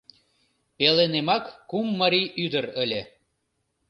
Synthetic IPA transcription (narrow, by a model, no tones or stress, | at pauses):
pelenemɑkːumːəɾiʔyd̪əɾəlʲe